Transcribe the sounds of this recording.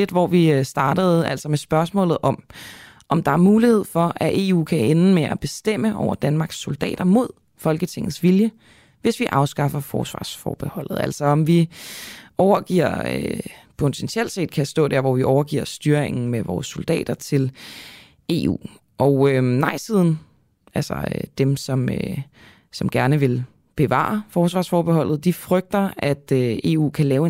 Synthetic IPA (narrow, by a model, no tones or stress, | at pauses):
le̝d̥ʋɒʋisd̥ɑ̈ːd̥əð̩ˠæl̰sɒ̽mesb̥ɶɐsmɔ̰lð̩ˠʔɒ̽m | ʔɒ̽md̥ɑ̈æɐmuːlihe̝ð̞̰ˠfɒ̽ʔæʔe̝̰ːṵːkʰæʔen̩meʔæb̥e̝sd̥em̰əʔɒʊɐd̥ænmɑ̈ːɡ̥sːo̝ld̥ɛ̰ːd̥ɐmo̝ð̞̰ˠ | fɒ̽lɡ̥ət͡sʰe̝ŋð̩ˠsʋiljə | ʋe̝sʋiʔɑ̈ʊsɡ̥ɑ̈fɐfɒ̰ːsʋɑ̰̈ːsfɒ̰ːb̥e̝hɒ̽l̰ð̞̩ˠæl̰sɒɒ̽mʋi | ʔɒʊɐɡ̥ḭɐ̰ | pʰot͡sʰent͡sʰiel̰d̥se̝̰ːd̥̚kʰæsd̥ɔ̰̽ːd̥æɐ̰ʋɒʋiʔɒʊɐɡ̥ḭɐ̰sd̥yːɐeŋn̩meʋɒ̰ːsːo̝ld̥ɛ̰ːd̥ɐt͡sʰe̝l | e̝̰ːṵː | ʔɒʊønɑ̈ɪ̰sið̞̰ˠn̩ | ælsɒ̰d̥emsɒ̽mø | sɒ̽mɡ̥æɐnəʋe̝l | b̥e̝ʋɑ̰̈ːɐfɒːsʋɑ̈ːsfɒːb̥eɦɒ̽l̰ð̩ˠd̥ifʁœɡ̥̚d̥ɐʔæd̥øe̝ːṵːkʰælɛːʊe